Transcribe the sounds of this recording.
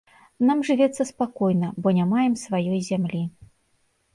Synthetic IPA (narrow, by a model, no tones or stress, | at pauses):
namʐɨvʲɛt̪sːɐspakɔjnɐbɔnʲamajɛmsvajɔjzʲamlʲi